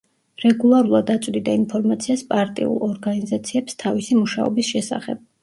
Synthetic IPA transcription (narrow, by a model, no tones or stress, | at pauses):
ɾɛɡulˠaɾulˠad̪at̪sʼd̪id̪ainpʰɔɾmat̪sʰiaspʼaɾt̪ʼḭṵlˠɔɾɡanizat̪sʰiɛpst̪ʰavisimuʃa̰ɔ̰bisʃɛsa̰χɛ̰b̥̚